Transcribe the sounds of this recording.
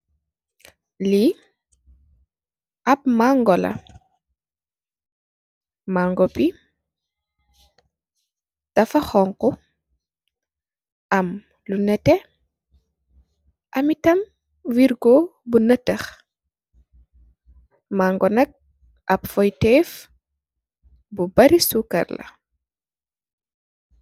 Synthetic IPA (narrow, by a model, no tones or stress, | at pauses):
li | ʔɐp̚maŋɡɔlɐ̰ | maːŋɡɔpi | d̥ɐfɐxɔŋkɔ | ʔɐm | lunɛtɛ | ʔɐmitɐm | wiɾɡɔbunɐtɐx | maːŋɡɔnɐk̚ | ʔɐpfɔjtɛf | bubɐɾisukɐ̰rlɐ̰